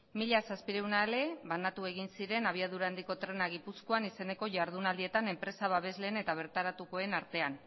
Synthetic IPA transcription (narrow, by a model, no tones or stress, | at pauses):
miʎasaspiɾe̞wnaele̞βanat̪ue̞ɣinsiɾe̞naβ̞iað̞uɾaːnd̪iko̞t̪ɾe̞naɣ̞ipusko̞anise̞ne̞ko̞ʝaɾð̞unald̪ie̞t̪ane̞mpɾe̞saβaβe̞zle̞ːne̞t̪aβ̞e̞ɾt̪aɾat̪uko̞e̞naɾt̪e̞an